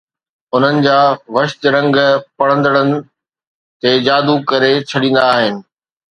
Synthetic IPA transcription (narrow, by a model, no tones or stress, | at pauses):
ʊn̤ənɪ̆d͡ʑaːʋɐʃt̪ɾɐ̃ŋɡpɐɽə̃nd̪əɽənɪ̆ | t̪eːd͡ʑaːd̪ukɐɾet͡ɕʰɐɗĩːn̆d̪aːɦɪnɪ̆